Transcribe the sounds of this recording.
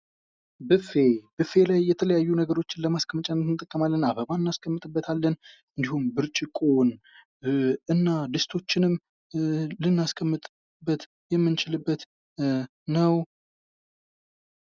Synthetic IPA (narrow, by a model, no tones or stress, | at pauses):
bɨfe̞bɨfe̞lajːɛt̪ʰələjajːunəɡəɾo̞t͡ʃːɪnləmaskʰəmət͡ʃʼanːət̪ɨnɨt̪ʼəkʼːəmalːənaβəβaɨnːaskʰəmːɨt̪ʼɨbːət̪ʰalːən | ɨnd̪ihumbɨɾt͡ʃʼɪkʼon | ɨnːad̪ɨst̪ʰo̞t͡ʃːɪnɨm | lɨnːaskʰəmːɨt̪ʼ | bːət̪ | jɛmːɨnt͡ʃɪlɨbːət̪ | nəw